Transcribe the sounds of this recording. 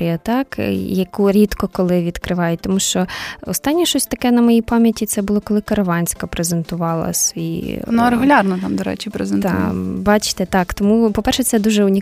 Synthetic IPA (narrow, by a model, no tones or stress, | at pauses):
ijɐt̪ɑkjɐkuɾʲit̪kɔkɔlˠɪʋʲid̪kɾɪʋɑjɛt̪ɔmuʃt͡ʃɔɔst̪ɑnʲːiʃt͡ʃɔsʲt̪ɐkɛnɐmɔjipɑmʲjɐtʲit̪sɛbʊlˠɔkɔlˠɪkɐɾɐʋɑnʲsʲkɐpɾezent̪ʊʋɑlˠɐ̰sʲḭnuɾeɣʊlʲɑrnɔt̪ɑmd̪ɔɾɛ̰t͡ʃɪpɾezent̪bɑt͡ʃt̪ɛt̪ɑkt̪ɔmupɔpɛrʃɛt̪sɛd̪uʒɛʊnʲi